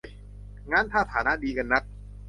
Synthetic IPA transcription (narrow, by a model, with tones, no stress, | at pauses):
ŋaː˦˥˨nt̪ʰaː˥˩t̪ʰaː˩˦na˦˥ʔdiː˧ka˧nːa˦˥t̪̚